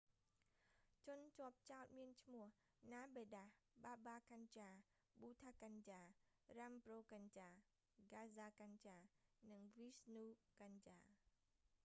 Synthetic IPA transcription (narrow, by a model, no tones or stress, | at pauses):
t͡ɕʊnt͡ɕŏəp̚t͡ɕaɔt̪̚miənt͡ɕʰmʊ̆əh | naːɓeːɗahɓaːɓaːkaɲt͡ɕaː | ɓuːt̪ʰaːkaɲt͡ɕaː | ramproːkaɲt͡ɕaː | ɡaːzaːkaɲt͡ɕaːnɨŋʋisnuːkaɲt͡ɕaː